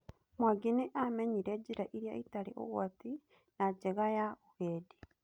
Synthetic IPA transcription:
mwaɡeneʔamɛɲiɾɛd͡ʑiɾaʔiɾjaitaɾeʔo̰ɣwati | nad͡ʒɛɣajauɣeːdi

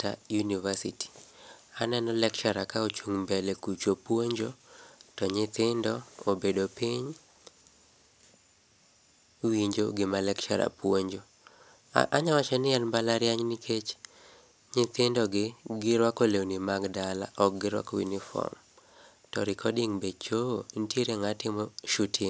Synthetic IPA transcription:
ta̰junivasiti̥anɛnɔlɛkt͡ʃaɾakaot͡ʃuŋmbɛlekut͡ʃopwoɲd͡ʒotɔɲɪt̪ɪndɔobedopiɲ | wiɲd͡ʒoɡɪmalɛkt͡ʃaɾa̰pwoɲd͡ʒo | ʔaɲawat͡ʃɛnɪɛnbalaɾjaɲnikʰet͡ʃ | ɲɪt̪ɪndɔɡɪɡɪɾwakolewnimaɡdala̰ʔɔk̚ɡɪɾwa̰kwḭnifɔ̰m | tɔ̰ɾɪkʰɔdɪŋbedt͡ʃointjeɾeŋatɪmɔʃutʰiŋ

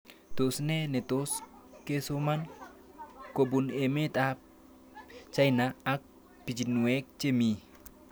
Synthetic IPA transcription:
t̪osnenet̪oskesoman | kobunemet̪a | t͡ʃajnaːk̚ | pit͡ʃinuɛk̚t͡ʃemi

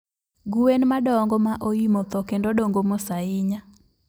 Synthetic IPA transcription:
ɡuwenmadɔŋɡɔmaʔoimɔt̪ɔkendodoŋɡomosaɪɲa

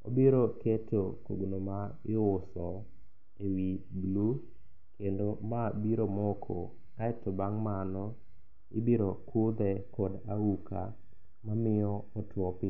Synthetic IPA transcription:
o̰biɾoketʰoko̰ɡnoma | ɪʊsɔ | ewiblu | kendomabiɾomɔkʰo | kaɛtobaŋmanɔ | ɪbiɾokʰod̪ɛkɔdauka̰ | mamɪɔɔtwɔpɪ

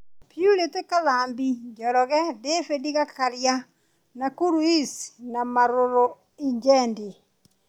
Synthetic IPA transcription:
pjuletekalaːmbiɲd͡ʒɔɾɔɣɛdefediɣakaɾja | nakuɾwisnamaɾoɾo | iɲd͡ʒɛndi

